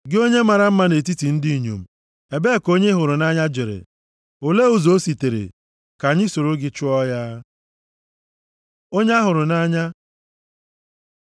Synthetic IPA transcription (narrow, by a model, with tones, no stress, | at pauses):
ɡɪ˦o˦ɲe˦ma˨ɾa˨m̩˦ma˦ne˨t̬i˦ti˨n̩˦di˦˨ɲo̰˨m̩˨ | e˨be˦˨ko˦ɲe˦ɦʊ˨ɾʊ˨na˦ɲa˦d͡ʒe˨ɾḛ˨ | o˨le˦o˨zo˦si˨te˨ɾḛ˨ | ka˨ɲɪ˦so˨ɾo˦ɡɪ˦t͡ʃʊ˦ɔ˦ja˦ | o˦ɲe˦a˦ɦʊ˨ɾʊ˨na˦ɲa˦